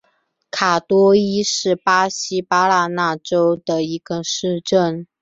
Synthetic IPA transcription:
kʰa˨˩t̪wɔ˥i˥ʂɻ̩˥˩pa˥ɕi˥pa˥la˥˧na˥˩ʈ͡ʂo˥ʊd̪ə˨i˧˥ɡ̥ə˧ʂɻ̩˥˧ʈ͡ʂə˥˩n

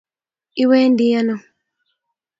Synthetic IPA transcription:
i˦wɛː˦ndijanɔ˨

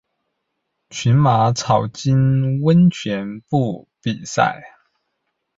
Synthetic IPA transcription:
t͡ɕʰi˨˥nma˧˥t͡sʰɑ˨˩ʊt͡ɕi˥nwə˥nt͡ɕʰɥɛ˨˧˥npu˥˧pi˨˩sa̰˥˩ɪ

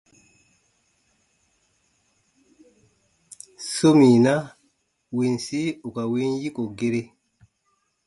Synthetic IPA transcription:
so˦mi˨na˦ | wi˨nsi˦u˨ka˨wi˦nji˦ko˨ɡe˦ɾe˦

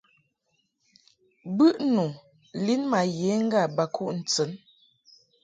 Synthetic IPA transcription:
bʉ˦ʔnu˨ | li˦nma˨je˨˦ŋ̩˦ɡa˦˨ba˨kʰu˦˨ʔn̩˨t͡sə˨˦n

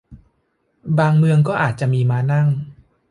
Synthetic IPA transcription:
baː˧ŋmɯ˧əŋkɔː˥˩ʔaː˨˩t̪̚t͡ɕa˨˩ʔmiː˧maː˦˧˥na˥˩ŋ

